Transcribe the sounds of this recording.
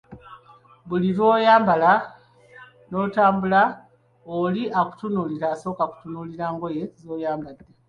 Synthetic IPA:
βulivo̞ːjaːmbala | no̞utaːmbula | oliʔaku̥tunuːliɾaːso̞ːkaku̥tunuːliɾaːŋɡo̞je̞zo̞ːjaːmbad̪ːe

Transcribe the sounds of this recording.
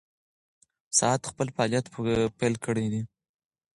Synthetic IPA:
sɑat̪xpəlfɑlijat̪pelkəɽed̪i

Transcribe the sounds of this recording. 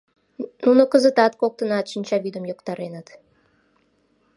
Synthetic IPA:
nunokəzə̆t̪ɑt̪̚kok̚t̪ənɑt̪ʃinʲt͡ɕɑβid̪əmjokt̪ɑɾenət̪

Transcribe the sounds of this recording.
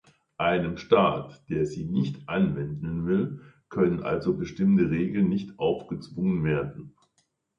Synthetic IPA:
ʔaɪnəmʃtaːtd̥eːɐziːnɪçtʔanvɛndn̩vɪl | kʰœnənʔa̰lzobəʃtɪmtəʁeːɡl̩nːɪçtʔaʊfɡ̥ət͡sv̥ʊŋənveːɐdn̩

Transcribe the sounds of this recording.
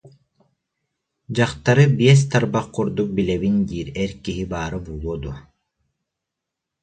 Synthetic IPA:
d͡ʑaχt̪aɾɯbiɛs̬t̪aɾbaqːuɾd̪uk̚bilɛβind̪iːɾɛɾkiɦibaːɾɯbuːlˠuɔd̪uɔ

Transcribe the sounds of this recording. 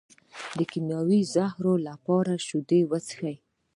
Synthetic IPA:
d̪əkinjɑwizahɾolapɑɾaʃud̪ewət͡sxaj

